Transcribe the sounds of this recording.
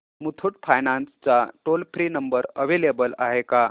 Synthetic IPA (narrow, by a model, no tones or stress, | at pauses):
mut̪ʰuʈ̚fʰajnanst͡saʈolfɾiːnəmbəɾəʋelebəla̰ɦeka